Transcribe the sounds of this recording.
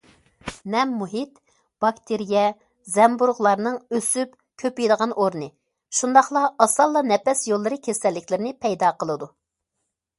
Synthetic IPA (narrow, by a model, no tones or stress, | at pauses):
nɛmːuɦit̪ | b̥ɑkt̪ʰeɾijɛ | zɛmbuɾʁlˠɑɾnɨŋøsyp̚ | kʲʰøpijd̪əʁɑnʔoɾnɨ | ʃund̪ɑχlˠɑɑsɑlˠːɑnɛpɛsjolˠːɨɾɨkʲʰɛsɛlːɪkʲlɪɾɪnɪpʰɛjd̪ɑqʰəlˠɨd̪u